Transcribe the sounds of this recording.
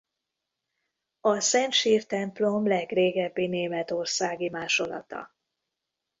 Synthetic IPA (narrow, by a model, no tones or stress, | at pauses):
ɒsɛnt̪ʃiːrt̪ɛmplo̞mlɛɡreːɡɛbːineːmɛt̪o̞rsaːɡimaːʃo̞lɒ̰t̪ɒ̰